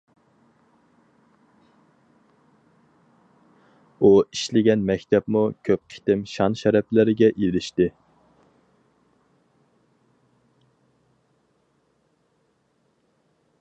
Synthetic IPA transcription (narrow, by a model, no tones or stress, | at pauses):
uiʃlɪɡʲɛnmɛkʲt̪ʰɛpmukʲʰøp̚qʰɪ̥t̪ɪmʃɑnʃɛɾɛplɪɾɪɡʲɛʔilɪʃt̪ɪ